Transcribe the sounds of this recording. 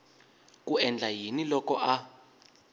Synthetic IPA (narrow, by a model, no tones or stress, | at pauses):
k̬ʼuɛnd͡ɮʱajinilɔkɔʔa